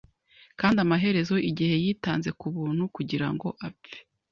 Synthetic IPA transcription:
kaːndamaɦe̞ɾe̞zo̞ʔiɟihe̞jiːtaːnze̞kuβuːn̥hukuɟiɾa̰ŋɡo̞ʔape̥

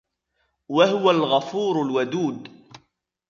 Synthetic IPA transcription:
wahʊwalɣafuːɾʊlwad̪uːd̪

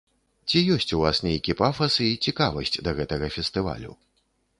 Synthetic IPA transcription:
t͡sʲijɔsʲt͡sʲuvasnʲejkʲipafɐsɨit͡sʲikavɐsʲt͡sʲd̪ɐɣɛt̪ɐɣɐfʲɛst̪ɨva̰lʲṵ

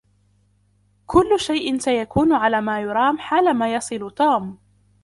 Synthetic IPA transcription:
kʊlːʃajʔɪnsajakuːnʕalaːmaːjʊɾˤɑːmħaːlamaːjɑsˤɨlt̪uːm

